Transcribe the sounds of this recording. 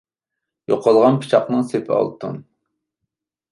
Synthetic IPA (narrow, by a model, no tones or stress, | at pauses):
joqʰɑlˠʁɑnpʰi̥t͡ʃʰɑqnɨŋsepʰɪɑ̰lˠt̪ʰṵn